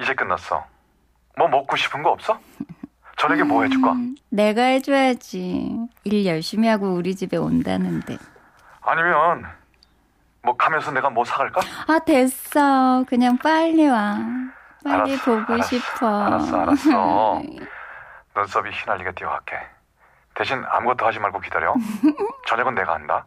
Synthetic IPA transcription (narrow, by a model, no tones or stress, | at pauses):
id͡ʑe̞k͈ɯnːas͈ʌ̰ | mʌmʌk͈uɕʰi̥pʰɯnɡʌʌp̚s͈ʌ | t͡ɕʌneɡemoɦed͡ʑuk͈a̰ne̞ɡaɦed͡ʑojad͡ʑḭiɭjʌɭɕ͈imiɦaɡouɾid͡ʑibe̞o̰nda̰nɯnde̞̰ | a̰ɲimjʌn | mwʌkamjʌnsʰʌne̞ɡamwʌsʰaɡaɭk͈aate̞s͈ʌkɯɲaŋp͈aʎːiwa | p͈aʎaːipoɡoɕʰipʰʌa̰sa̰aʌ | nʌns͈ʌbiçinaʎːiɡet͈ioka̰kʰe̞̰ | teɕʰina̰mɯɡʌt͈ʰohad͡ʑimaɭɡokidaɾjo̰t͡ɕʌɲʌɡɯnːe̞ɡa̰handa̰